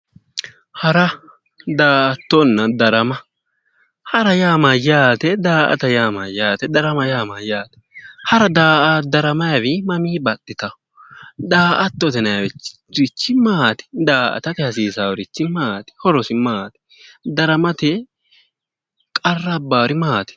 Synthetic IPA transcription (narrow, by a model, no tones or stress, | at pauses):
hɐɾɐ | d̪aːʔɐt̪ːɔnːɐd̪ɐɾɐmɐ | hɐɾɐjaːmɐjaːt̪ɛd̪aːʔɐ̰t̪ɐjaːmɐjaːt̪ɛd̪ɐɾɐmɐjaːmɐjaːt̪ɛ̥hɐɾɐd̪aːʔad̪ɐɾɐmɐjɐwɪmɐmiːbɐt̪ːɪt̪ɐ | d̪aːʔɐt̪ːɔt̪ɛnɐjɐwɛt͡ʃ | ɾɪt͡ʃːɪmaːt̪ɛ̥d̪aːʔɐ̰t̪ɐt̪ɪhɐsiːsawɾɪt͡ʃːɪmaːt̪ɛ̥hɔɾɔsɪmaːt̪ɛ̥ | d̪ɐɾɐmɐt̪ɛ | kʼɐrːɐbaːɾɪmaːt̪ɛ̥